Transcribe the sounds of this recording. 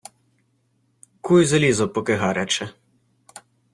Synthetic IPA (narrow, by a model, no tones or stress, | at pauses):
kujzɐlʲizɔpɔkɛɦaɾɛt͡ʃɛ